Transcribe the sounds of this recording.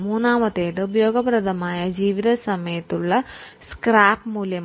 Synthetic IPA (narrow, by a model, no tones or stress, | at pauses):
muːnaːmɐt̪eːd̪ɐubjoːɡɐpɾɐd̪ʱɐmaːjɐd͡ʒiːʋid̪ʰɐsɐmɐjɐt̪uɭːɐ | skɾaːpmuːljɐ